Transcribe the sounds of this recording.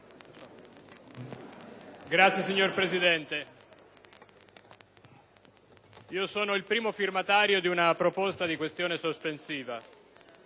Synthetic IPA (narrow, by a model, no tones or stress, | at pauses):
ɡɾat̪sjesiɲːorpɾezid̪ɛnt̪e | iːosoːnoilpɾiːmofirmat̪aːɾjod̪iunapɾopost̪ad̪ikwest̪joːnesospensiːva